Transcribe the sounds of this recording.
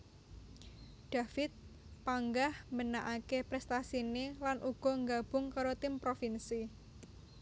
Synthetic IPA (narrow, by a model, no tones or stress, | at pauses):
ɖ̥a̤fɪt̪̚ | paŋɡahmənaʔakepɾɛst̪asinelanʔuɡ̥ɔ̤ŋɡab̥ʊ̤ŋkaɾot̪ɪmpɾofinsi